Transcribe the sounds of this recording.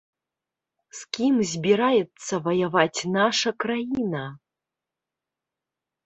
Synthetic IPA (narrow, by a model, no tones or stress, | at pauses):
skʲimzʲbʲiɾajɛt̪t͡ssɐvɐjɐvat͡sʲnaʂɐkrajinɐ